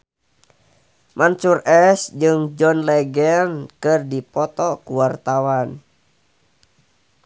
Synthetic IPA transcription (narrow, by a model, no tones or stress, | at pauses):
mʔansurɛsd͡ʒɨŋd͡ʒɔnlɛɡɛnkɨrdipɔt̪ɔkuwart̪awan